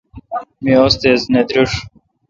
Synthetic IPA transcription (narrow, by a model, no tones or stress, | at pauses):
miost̪ezned̪ɾuʂ